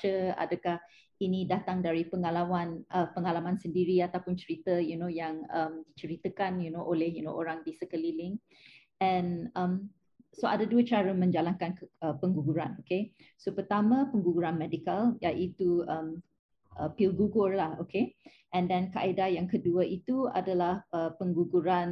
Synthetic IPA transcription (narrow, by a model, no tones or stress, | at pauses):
əa̰dəkah | inidat̪aŋdaɾipəŋalawanʔəpəŋalamãnsəndiɾiat̪awpʊnt͡ʃəɾit̪əjunojaŋəmdit͡ʃəɾit̪əkanjunoʔolɛhjuno̰ʔoɾaŋdisəkəlilɪŋ | ɛ̃nə̃m | soa̰daduət͡ʃaɾəmə̃ɲd͡ʒalankanəpəŋɡuɡuɾanoke | sopərt̪amãpəŋɡuɡuɾanmɛdikaljaʔit̪uəm | ʔəpilɡuɡʊrlaho̰ke | ʔɛ̃ndɛ̃nkaʔaidajaŋkəduəʔit̪ua̰dalahəpəŋɡuɡuɾan